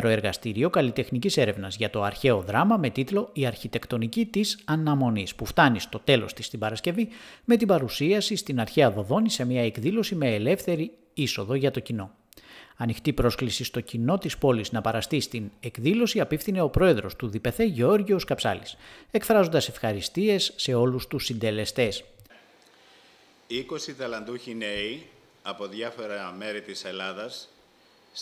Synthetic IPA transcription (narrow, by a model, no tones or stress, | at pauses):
ɾo̞e̞ɾɣɐst̪iɾio̞kɐlit̪e̞xnicise̞ɾe̞vnɐzʝɐt̪o̞ɐɾçe̞o̞ðɾɐmɐme̞t̪it̪lo̞iɐɾçit̪e̞kt̪o̞nicit̪isɐnɐmo̞nispuft̪ɐnist̪o̞t̪e̞lo̞st̪ist̪ibɐɾɐsce̞vime̞t̪ibɐɾusiɐsist̪inɐɾçeɐðo̞ðo̞nise̞miɐe̞kðilo̞sime̞ːle̞fθe̞ɾi | iso̞ðo̞ʝɐt̪o̞cino̞ | ɐnixt̪ipɾo̞sklisist̪o̞cino̞t̪ispo̞liznɐpɐɾɐst̪ist̪ine̞kðilo̞siɐpifθine̞o̞pɾo̞e̞ðɾo̞st̪uðipe̞θe̞ʝeo̞ɾʝioskɐpsɐ̰lise̞kfɾɐzo̞nd̪ɐse̞fxɐɾist̪ie̞sːe̞o̞lust̪usːind̪e̞le̞st̪e̞s | iko̞sit̪ɐlɐnd̪uçinei | ɐpo̞ðʝɐfo̞ɾɐme̞ɾit̪iselɐðɐs